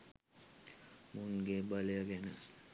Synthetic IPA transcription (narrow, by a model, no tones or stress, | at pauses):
muŋɡebalejaɡɛnə